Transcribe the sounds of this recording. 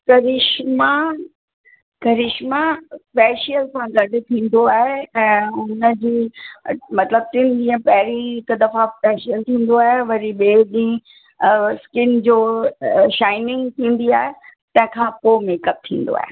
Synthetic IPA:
kɐɾɪʃma | kɐɾɪʃmaspɛːʃijəlsãɡɐɖʱɪ̆t̪ʰĩːn̆d̪oaːɦeɛ̃ːʊnəd͡ʑiː | mɐt̪ləb̚t̪ɪnd͡ʑĩːə̃pɐɦɪɾiɪkd̪ɐfaspɛːʃijəlt̪ʰĩːn̆d̪oaːɦeʋɐɾiɓeːɗĩ | skɪnd͡ʑoːʃaːɪnɪ̃ŋɡt̪ʰĩːn̆d̪iaːɦet̪ɐ̃ɦɪ̃kʰãpoːmeːkəp̚t̪ʰĩːn̆d̪o̰a̰ːɦe

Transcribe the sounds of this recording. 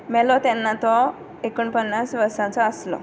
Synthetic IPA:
mɛlɔt̪ɛnːat̪ɔ | ekuːɳpənːasʋəɾsãt͡sɔəslɔ̰

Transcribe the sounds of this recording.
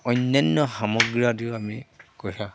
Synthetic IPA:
ɔjnːɔnːɔxamɔɡɹadiamikojsã

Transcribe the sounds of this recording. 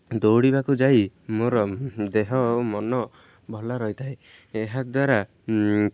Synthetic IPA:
d̪owɽibakud͡ʒajmoɾɔd̪eɦɔmɔnɔ | bʱɔlaɾɔjt̪ʰae | eɦad̪waɾa

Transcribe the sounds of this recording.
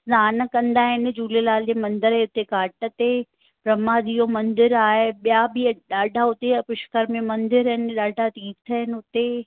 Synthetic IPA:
zaːn̆kɐ̃nd̪aːɦɪnɪ̆d͡ʑuːlelaːld͡ʑeːmɐ̃nd̪ɪɾɦeʊt̪ekaːʈə̆t̪e | pɾɐmad̪ijomɐ̃nd̪ɪɾaːɦeɓijabɪɗaːɖʱaʊt̪eɐpɪʃkəɾmẽmɐ̃nd̪ɪɾɦɪnɪ̆ɗaːɖʱat̪ĩːt̪ʰəɦɪnɪ̆ʊt̪e

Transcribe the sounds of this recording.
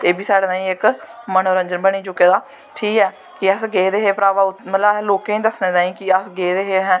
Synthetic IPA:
t̪eːbiːsaːɽeːnaːĩːɪkmənoːɾə̃ɲd͡ʒənbəniːt͡ʃʊkːeːd̪aː | ʈʰiːkɛː | kɪəsɡeːd̪eːɦeːpɾaːʋaːʊmət̪ləloːkẽːĩːd̪əsneːd̪aːĩːkɪəsɡeːd̪eːɦeːɦɛ̃ː

